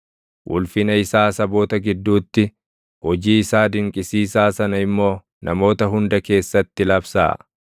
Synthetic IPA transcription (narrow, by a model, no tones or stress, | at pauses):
ʔʊ̰lfɪnɐɪsaːsɐbo̞ːt̪ɐɡɪd̪ːuːt̪ːɪ | hɔd͡ʒiːɪsaːd̪ɪŋkʼɪsiːsaːsɐnɐɪmːo̞ː | nɐmo̞ːt̪ɐɦʊnd̪ɐke̞ːsːɐt̪ːɪlɐbsa̰ː